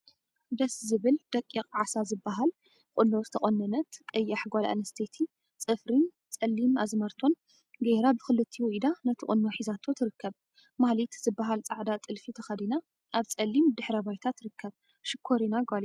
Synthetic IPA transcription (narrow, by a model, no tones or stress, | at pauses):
d̪ɐszɨβɨld̪̥ɐkʼːikʼʕasazɨbːaɦal | kʼʊnːozɨt̪ʰɐχʼɐnːɐnɐt̪kʼɐjːaħɡʷala̰ʔnɐst̪ʰet̪ʰi | t͡sʼɨfɾin | t͡sʼɐlːimazmɐɾt̪ʰo̞n | ɡeɾabɨxɨlɨt̪ʰːiwɔʔd̪anɐt̪ʰɨχʼɨ̰nːoħizat̪ʰo̞t̪ʰɨɾɨkʰːɐβ | malit̪zɨbːaɦalt͡sʼaʕd̪at͡s̪ʼɨlfit̪ʰɐxɐd̪ina | ʔaβt͡sʼɐlːimd̪ɨħɾɐbajt̪ʰat̪ɾɨkʰːɐβ | ʃɪkʰːoɾinaɡʷali